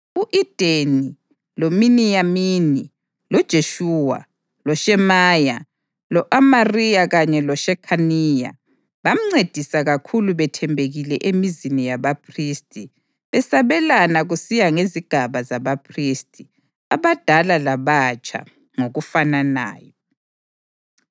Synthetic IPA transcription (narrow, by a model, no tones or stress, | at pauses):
uʔid̥ʱeni | lominijamini | lɔd̥ʒ̥ʱeʃuwa̰ | lɔʃɛmaja | lɔʔamarijaɣaɲɛlɔʃɛkʰanija̰ | βam̩ŋ͡ǀed̥ʱisaɣakʰuluβɛtʰɛmbʱeɣilɛʔemizinijaβapʰristʼi | βɛsaβɛlanaɣusijaŋeziɡ̥ʱaβazaβapʰristʰʼi | aβad̥ʱalalaβat͡ʃʼa̰ | ŋoɣufanana̰ːjɔ